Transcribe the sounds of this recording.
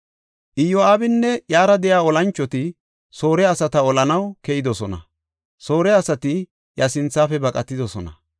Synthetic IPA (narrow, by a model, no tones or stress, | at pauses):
ʔɪjːɔaːbɪnːɛjaːɾɐd̪ɛjaːɔlɐnt͡ʃːɔt̪ɪ | so̞ːɾɛɐsɐt̪ɐɔlɐnɐwkɛjɪd̪ɔsɔnɐ̰ | so̞ːɾɛɐsɐt̪ɪ | jɐsɪnt͡sːaːfɛbɐkʼɐt̪ːɪd̪ɔsɔnɐ